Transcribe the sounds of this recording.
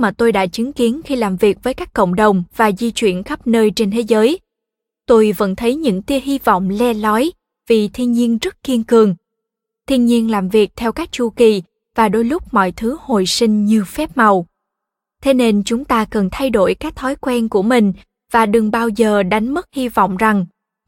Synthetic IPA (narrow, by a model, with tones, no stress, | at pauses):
maː˨˩t̪o˧jɗa̰ː˧˥t͡ɕɨ˨˦ŋki˨˦ənxi˧laː˨˩mvi˨˩ək̚vəː˨˦jkaː˦˥kːə̰˧˨wŋ͡mɗə˨˩wŋ͡mvaː˨˩zi˧t͡ɕwḭ˧˩ənxə˦˥p̚nəː˧jt͡ɕe˧nt̪ʰe˨˦zəː˨˦j | t̪o˧jvə̰˧˥nt̪ʰə˨˦jɲɨ̰˧˥ŋt̪i˨˧˦əɦi˧vɔ̰˧˨wŋ͡mlɛ˧lɔ˨˦j | vi˨˩t̪ʰi˧nɲi˧ənzə˦˥t̚ki˧ənkɨ˨˩əŋ | t̪ʰi˧ənɲi˧ənlaː˨˩mvi˨˩ək̚t̪ʰɛ˧wkaː˦˥k̚t͡ɕu˧ki˨˩ | vaː˨˩ɗo˨˧˦jlʊ˦˥k͡p̚mɔ̰˧˨jt̪ʰɨ˨˦ho˨jsï˧ŋ̟ɲɨ˨˧˩əfɛ˦˥p̚ma˨˩w | t̪ʰe˨˦ne˧nt͡ɕʊ˨˦ŋ͡mt̪aː˧kə˨˩nt̪ʰa˧jɗo˧˩jkaː˦˥k̚t̪ʰɔ˨˦jkwɛ˧nku˧˩əmï˨˩ŋ̟ | vaː˨˩ɗɨ˨˩ŋɓaː˧wzəː˨˩ɗa˨˦jŋ̟mə˦˥t̚hi˧vɔ̰˧˨wŋ͡mza˨˩ŋ